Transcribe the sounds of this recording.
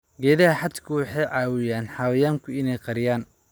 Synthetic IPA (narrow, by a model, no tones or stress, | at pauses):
ɡɛːðɐɦɐħɑd̪kʰʊwɑħɑjʕɑːwɪjaːnħɑwɐjaːŋkʰʊɪnɛjqɑɾɪjaːn